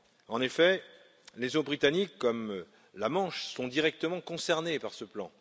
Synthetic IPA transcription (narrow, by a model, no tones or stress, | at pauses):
ɑ̃nefɛ | lezobʁit̪anikːɔm | lamɑ̃ʃsɔ̃d̪iʁɛk̚t̪əmɑ̃kɔ̃sɛʁnepaʁsəplɑ̃